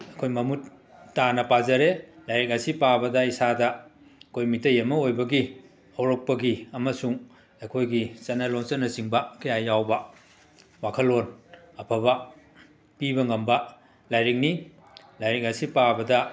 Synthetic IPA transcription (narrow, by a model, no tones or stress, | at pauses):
ɐjkʰojmɐmutː | anɐpazɐɾelajɾik̚asipabɐdɐisadɐ | ɐkʰojmitɐjɐmɐojbɐɡi | ɐwɾok̚pɐɡiɐmɐsuŋ | ɐjkʰojɡit͡ʃɐnːɐloŋsɐnːɐsiŋbɐkɐjajawbɐ | wakʰɐlon | ɐpʰɐβɐ | pibɐŋɐmbɐ | lajɾik̚ni | lajɾik̚asipabɐdɐ